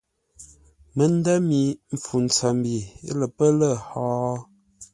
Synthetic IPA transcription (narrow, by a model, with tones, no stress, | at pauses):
mə˨˦n˦da˦mi˨˦m˨fu˨n˨t͡sa˨m˨bi˨ḛ˦lə˨pə˦lə˦˨hɔː˨˦